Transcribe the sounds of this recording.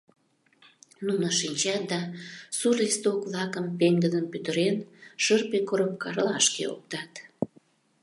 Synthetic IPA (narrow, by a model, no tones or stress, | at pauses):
nunəʃinʲt͡ɕɑt̪̚d̪ɑsurlist̪okβlɑkəmpeŋɡəd̪ənpyt̪əɾenʃərpekoɾop̚kɑrlɑʃkḛo̰k̚t̪ɑt̪